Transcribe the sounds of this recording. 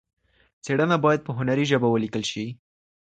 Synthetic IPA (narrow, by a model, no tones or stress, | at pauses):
t͡seɽənabɑjad̪̚pəɦʊnaɾiʒəbawəlikəlʃi